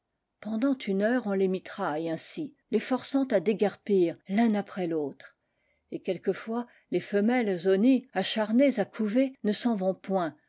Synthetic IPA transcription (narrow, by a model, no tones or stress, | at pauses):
pɑ̃d̪ɑ̃t̪ʰynœʁɔ̃lemit̪χajɛ̃si | lefɔʁsɑ̃t̪ad̪eɡɛʁpiːʁlɛ̃napχɛlot̪χ | ekʲɛlkəfwa | lefəmɛlzɔniaʃaʁnezakʰuvenəsɑ̃vɔ̃pwɛ̃